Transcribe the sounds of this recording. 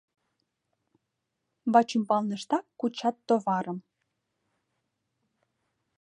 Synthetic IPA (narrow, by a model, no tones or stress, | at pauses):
bɑt͡ɕimpɑlnə̆ʃt̪ɑkkːut͡ɕɑt̪ːovɑɾəm